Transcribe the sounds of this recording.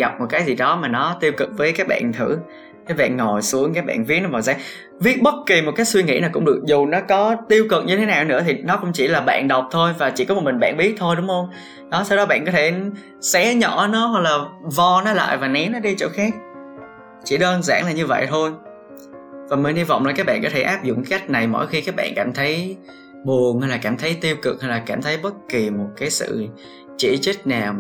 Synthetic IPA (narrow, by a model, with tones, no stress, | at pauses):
ɣa˨˩k͡p̚mo˨˩kaː˨˦jzi˨˩ɗɔ˨˦maː˨˩nɔ˨˦t̪i˧əwkɨ˨˩k̚vəː˨˦jkaː˨˦˥k̚ɓa̰ː˧˨nt̪ʰɨ̰˧˩˥ | kaː˨˦˥jɓa̰ː˧˨nŋɔ˨˩jsu˨˦əŋkaː˨˦˥k̚ɓa̰ː˧˨nvi˦˥t̚nɔ˨˦vaː˨˩wza̰ː˧˥ŋ | vi˦˥ət̚ɓə˦˥t̚ki˨˩mo˨˩t̚kaː˨˦˥j̚swi˧ŋḭ˧˥naː˨˩kʊ̰˧˥ŋ͡mɗɨ˨˩ək̚zu˨˩nɔ˨˦kɔ˨˦t̪i˧əwkɨ˨˩k̚ɲɨ˧t̪ʰe˨˦naː˨˩wnɨ̰˧˥t̪ʰi˨˩nɔ˨˦kʊ̰˧˥ŋ͡mt͡ɕḭ˧˩laː˨˩ɓa̰ː˧˨nɗə˨˩wk͡p̚t̪ʰo˧jvaː˨˩t͡ɕḭ˧˩kɔ˨˦mo˨˩mï˨˩ŋ̟ɓa̰ː˧˨nɓi˦˥t̚t̪ʰo˧jɗʊ˨˦ŋ͡mxə˧wŋ͡m | ɗɔ˨˦sa˧wɗɔ˨˦ɓa̰˧˨nkɔ˨˦t̪ʰe˧˩ | sɛ˨˦ɲɔ˧˩nɔ˨˦hwa˨˩k̚laː˨˩vɔ˧nɔ˨˦la̰ː˧˨jvaː˨˩nɛ˨˦nɔ˨˦ɗi˧t͡ɕo̰˧˩˦xaː˦˥k̚ | t͡ɕḭ˧˩ɗəː˧nza̰ː˧˥ŋlaː˨˩ɲɨ˧və̰˧˨jt̪ʰo˧j | vaː˨˩mi˨˩nhi˧va̰˧˨wŋ͡mlɔː˨˩kaː˦˥ɓa̰ː˧˨nkɔ˨˦t̪ʰe˧˩ʔaː˦˥p̚zʊ̰˧˨ŋ͡mka˨˦ka˦˥jk̟̚na˨˩jmo̰˧˥˨jxi˧kaː˦˥k̚ɓa̰ː˧˨nkaː˧˩mt̪ʰə˨˦j | ɓu˨˩əŋha˧jlaː˨˩kaː˧˩mt̪ʰə˨˦jt̪i˧əwkɨ˨˩k̚ha˧jlaː˨˩kaː˧˩mt̪ʰə˨˦jɓə˦˥t̚ki˨˩mo˨˩t̚kaː˨˦jsɨ̰˧˨ | t͡ɕi˧˩t͡ɕə˦˥k̚naː˨˩w